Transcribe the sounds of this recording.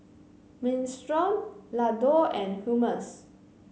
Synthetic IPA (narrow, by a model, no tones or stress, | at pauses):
mĩnstɹɔ̃mladɔɛ̃nhuməs